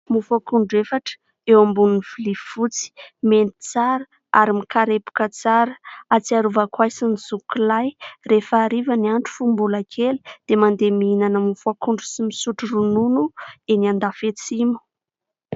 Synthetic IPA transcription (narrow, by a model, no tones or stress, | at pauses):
mufakuɳɖ͡ʐefaʈ͡ʂə̥ | ewambununiv̥ilivut͡si̥ment̪i̥t͡saɾə | a̰ɾimikaɾepu̥kət͡saɾəat͡siaɾuvakwajsiniz̥ukilajrefaːɾivəniaɳʈ͡ʂu̥fumbulakʰeli̥d̪̥emand̪emiinanəmufuakuɳɖ͡ʐusimisuʈ͡ʂurununueniand̪afet͡simu̥